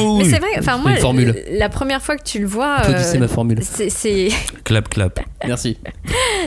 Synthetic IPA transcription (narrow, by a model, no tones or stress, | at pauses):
ɛsɛvʁɛɑ̃fɛ̃mwnfɔʁmyllapχəmjɛʁfwakə̥t̪ʰyləvwaføoisɛmafɔʁmylsɛsɛklapklapmɛʁsi